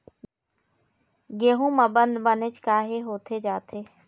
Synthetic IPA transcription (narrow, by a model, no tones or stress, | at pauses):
ɡeːɦũːməbənd̪bənet͡ʃkaːɦeɦoːt̪ʰed͡ʒaːt̪ʰeː